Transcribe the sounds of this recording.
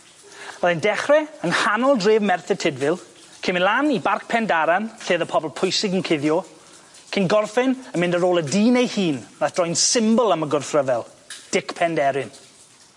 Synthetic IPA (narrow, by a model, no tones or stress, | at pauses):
ɔðɪndɛχrɛənhanɔlˠdreːvmɛrθɛtʰɪdvɪlˠ | kʰɪmɪnlˠanibark̚pʰɛndaɾanθeːðəpʰɔbɔlˠpʰʊjsɪɡənkʰɪðjɔ | kʰɪnɡɔrfɪnəmɪ̃ndəɾoːlˠədiːnejhiːnnaθd̥rɔjnsɪmbəlˠəməɡʊrfrəvɛlˠ | d̥ɪkpʰɛndɛɾɪn